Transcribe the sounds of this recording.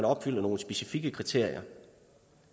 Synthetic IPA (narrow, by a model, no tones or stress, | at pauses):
nɒ̽b̥fyl̰əno̝ːləsb̥e̝sifiɡ̥əkʰʁit͡sʰe̝ɐ̰ijɐ